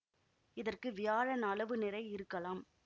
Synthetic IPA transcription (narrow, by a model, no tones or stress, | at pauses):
ɪðɐrkɯʋɪjaːɻɐnɐlɐʋɯnɪrɐɪɪɾɯkːɐlaːm